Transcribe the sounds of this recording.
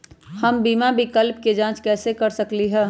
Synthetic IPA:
hɐmbiːmabʱikəlpked͡ʒãːt͡ʃkɛːsekɐɾsɐkliɦɛː

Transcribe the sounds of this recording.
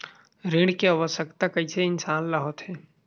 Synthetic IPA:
ɾẽɽ̃keaːʋəʃjəkt̪akɐiseɪnsaːnlaɦɔt̪ɦɛː

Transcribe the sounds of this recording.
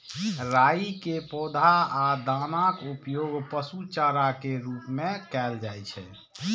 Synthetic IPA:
ɾaikepɔd̪ʱaad̪anakupjoɡpəsut͡ʃaɾakeɾupmekɛld͡ʒajt͡ʃʰɛ̰

